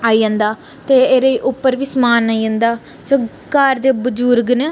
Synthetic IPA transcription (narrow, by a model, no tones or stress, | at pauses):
aːiːãːnd̪aː | t̪eːeːɾeʔʊpːəɾʋiːsmaːnaːiːãːnd̪aː | soː | kaːɾd̪eːbəd͡ʒʊɾɡneː